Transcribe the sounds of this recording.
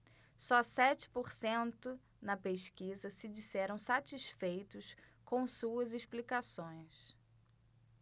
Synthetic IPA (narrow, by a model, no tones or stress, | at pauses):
sɔsɛt͡ʃɪ̥poɾsẽnt̪ʊ | nɐpeʃkizɐsɪd͡ʒisɛɾɐ̃w̃sat͡ʃiʃfejt̪ʊskõw̃suɐziʃplikasõj̃s